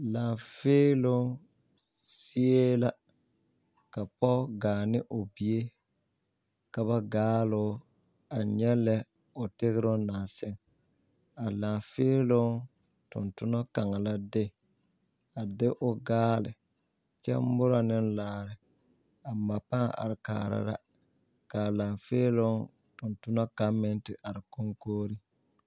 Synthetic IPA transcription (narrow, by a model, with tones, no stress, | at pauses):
la˨ŋfeː˦lʊ˦ | si˦e˦la˦ | ka˨pɔ˦ɡaː˨nɪ˦ʔʊ˨bi˨e˦ | ka˨βa˦ɡaː˦lʊ˦ | a˨ɲɛ˦lɛ˦ | ʊ˨tɪ˦ɣɪ˦ɾʊ˦naː˨sɪ˦ŋ | a˨la˨feː˦lʊ˦ | tʊ̰˨ntʊ˦nɔ˦ka˨ŋa˨la˦dɪ˦˨ | a˨dɪ˦ʔʊ˦ɡaː˦lɪ˨ | t͡ʃɛ̰˦m˦bʊ˦ɾa˨nɪ˦nlaː˦ɾɪ˨ | a˨ma˨pa˦ŋa̰˨ɾɪ˨ka̰ː˨ɾa̰˨ɾa̰˦ | ka˨la˨ŋfeː˦lo˦ | tʊ˨ntʊ˦nɔ˦ka˦mɛ˦ntɪ˨ʔa˨ɾɪ˨ko˦ŋkoː˦ɾi˦